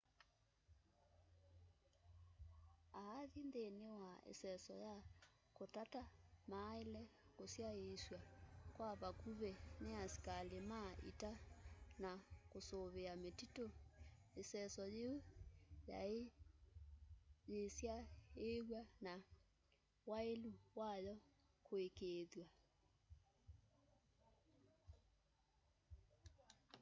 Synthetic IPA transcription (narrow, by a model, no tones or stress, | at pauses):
aːðindenewaḛsɛsɔja | kotatamaːelɛkosjaeswakwaβakuβeneasi̥kalemaʔḭtanakosoβeametito | esɛsɔjeja̰ | jesjaeɣwana | waeluwajɔkoekeːðwa